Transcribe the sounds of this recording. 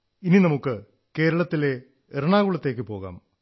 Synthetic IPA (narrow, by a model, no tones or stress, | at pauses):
ininɐmukːɨ | ke̞ːɾɐɭɐt̪ːile̞ | eɾɐɳaːɣuɭɐt̪ːe̞ːk̬ʲːɨpo̞ːɣa̰ːm